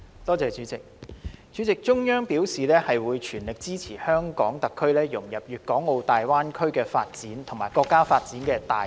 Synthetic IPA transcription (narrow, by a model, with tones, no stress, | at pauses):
t̪ɔː˥t͡sɛː˧t͡ʃyː˨˥t͡sɪ˨k̚t͡ʃyː˨˥t͡sɪ˨k̚t͡ʃʊ˥ŋjœː˥ŋpiː˨˥wsiː˨lɛː˥hɐ˨jwuː˨˧jt͡ʃʰyː˨˩nlɪ˨k̚t͡siː˥t͡sʰiː˨˩hœː˥ŋkɔː˨˥ŋt̪ɐ˨kʰːɵ˥ɥlɛː˥jʊ˨˩ŋjɐ˨p̚jyː˨˩t̚kɔː˨˥ŋo˧wt̪aː˨jwaː˥nkʰɵ˥ɥkɛː˧fa̰ː˧t̚t͡siː˨˥nt̪ʰʊ˨˩ŋmaː˨˩jkɔː˧kːaː˥faː˧t̚t͡siː˨˥nkɛː˧t̪aː˨